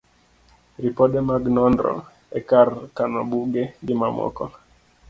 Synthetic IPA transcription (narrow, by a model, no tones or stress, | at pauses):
ɾipɔɗɛmaɡnɔndɾɔ̰ | ɛkarkanɔbuɡeɡɪmamɔ̰kɔ